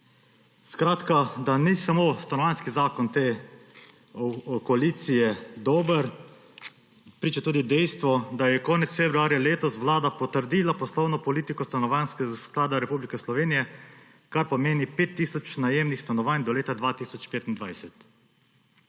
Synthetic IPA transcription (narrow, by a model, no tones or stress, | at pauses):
skɾaːt̪kad̪anisamost̪anɔʋaːnskizaːkɔnt̪eː | kɔaliːt̪sijɛd̪oːbəɾ | pɾiːt͡ʃat̪uːd̪id̪ɛjst̪ʋɔd̪ajɛkɔːnɛtsfebɾuaːɾjaleːt̪ɔsʋlaːd̪apɔt̪əɾd̪iːlapɔslɔwnɔpɔliːt̪ikɔst̪anɔʋaːnskɛɡasklaːd̪aɾɛpublikɛslɔʋeːnijɛ | kaɾpɔmeːnipeːt̪ːiːsɔt͡ʃnajeːmnixst̪anɔʋaːnd̪ɔleːt̪ad̪ʋaːt̪iːsɔt͡ʃpeːt̪ind̪ʋajsɛt̪